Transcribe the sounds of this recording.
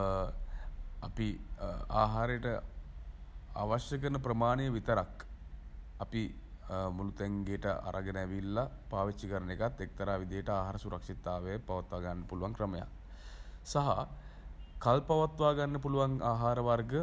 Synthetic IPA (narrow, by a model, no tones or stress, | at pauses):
apiaːɦaːɾəjəʈə | a̰ːʋaʃjəkənəpɾəmaːnejəʋit̪əɾak | api | mulut̪æŋɡeʈəʔa̰ɾʔaɡənæʋilːapaːʋit͡ʃːikəɾənekat̪ːek̚t̪əɾaːʋid̪ijəʈəaːɦaɾəsuɾakʂit̪aːʋejəpaʋat̪ʋaːɡanːəpuluʋaŋkɾəməja̰k | saɦa̰ | kalpaʋat̪ʋaːɡanːəpuluʋaŋaːɦaːɾəʋarɡə